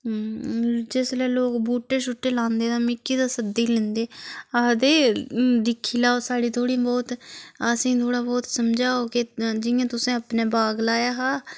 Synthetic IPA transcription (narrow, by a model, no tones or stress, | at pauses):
d͡ʒeslɛːloːkbuːʈːeːʃʊʈːeːlãːnd̪eːd̪aːmɪkːiːd̪aːsəd̪iːlɛ̃ːnd̪eːaːd̪eːd̪ɪkʰːiːlaːoːsaːɽiːt̪ʰoːɽĩbɔːt̪əsĩːt̪ʰoːɽaːbɔːt̪səmd͡ʒaːoːkɪd͡ʒɪjãːt̪ʊsẽːəpneːbaːɡlaːjaːɦaː